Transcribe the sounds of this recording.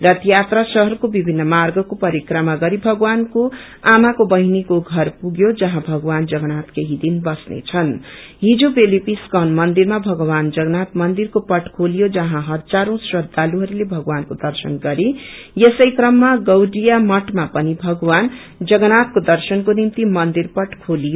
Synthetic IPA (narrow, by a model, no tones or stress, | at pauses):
rʌt̪jat̪rʌsʌɦʌrkobibʱinːʌmarɡʌkopʌɾikrʌmaɡʌɾibʱʌɡwanko | amakobʌɦinikoɡʱʌrpuɡjod͡zʌɦãbʱʌɡwand͡zʌɡʌnat̪keɦid̪inbʌsnḛt͡sʰʌn | ɦid͡zobelipiskʌnmʌnd̪irmabʱʌɡwand͡zʌɡʌnat̪mʌnd̪irkopʌʈkʰolijod͡zʌɦãɦʌt̪d͡zaɾõsrʌd̪aluɦʌɾulebʱʌɡwankod̪ʌrsʌnɡʌɾijesʌjkrʌmːaɡʌwɖijamʌʈmapʌnibʱʌɡwan | d͡zʌɡʌnat̪̚kod̪ʌrsʌnkonimt̪imʌnd̪irpʌʈkʰolijo